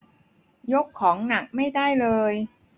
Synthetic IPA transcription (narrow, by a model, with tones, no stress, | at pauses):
jo˦˥kʰːɔː˩˦ŋna˨˦k̚ma˥˩jda˥˩jlɤː˧j